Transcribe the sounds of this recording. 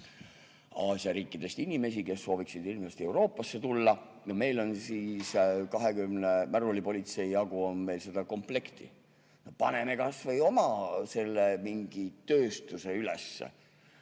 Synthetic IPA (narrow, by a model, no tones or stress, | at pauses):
ɑːsjɑɾiːkːˑid̪̥e̞st̪inime̞s̬ike̞sːo̞ːviksid̪ilmest̪ie̞uɾo̞ːpːˑɑsːe̞t̪ulːɑ | jɑme̞jlo̞nsiːskɑɦe̞kymnemæɾulipo̞lʲit̪se̞iɑɡ̥uo̞nme̞jlse̞d̪ɑko̞mple̞kt̪ḭ | pɑ̰neme̞kɑsvɤjo̞mɑse̞lːemiŋɡ̥it̪ø̞ːst̪use̞yle̞̰sːḛ